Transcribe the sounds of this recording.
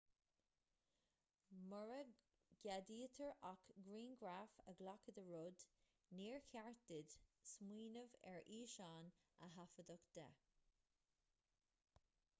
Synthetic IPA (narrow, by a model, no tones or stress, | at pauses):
məɹə | ɡ̥adiːt̪ʰəɹakɡɹiːnɡɹafəɡlakəd̪əɹʊd̪ | niːɹkʰaɹdɪd̪̥smwiːnəvɛ̰ɹiːʃaːnəɦafəd̪ɔkd̪̥ɛ̰